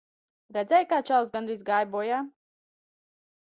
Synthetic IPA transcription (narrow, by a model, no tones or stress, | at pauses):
ɾɛd̪zʲɛjkaːt͡ʃalˠzɡanɾizɡaːjbuɔjaː